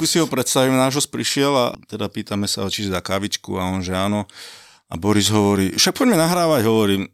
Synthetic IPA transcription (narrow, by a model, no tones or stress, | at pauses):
kusiɦɔpɾɛt̪st̪aʋiːmnaʒɔs̚pɾiʃɪɛla̰t̪ɛd̪apiːt̪amɛsa̰ɔt͡ʃiɛzakaʋit͡ʃkṵaɔnʒɛaːnɔ | a̰bɔɾizɦɔʋɔɾiːfʃak̚pɔɟmɛnaɦɾaːʋaɟɦɔʋɔɾiːm